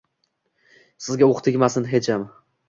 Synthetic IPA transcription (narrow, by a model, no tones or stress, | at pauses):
sɪzɡʲaoqt̪ʰɪkʲmasɪnɦet͡ʃam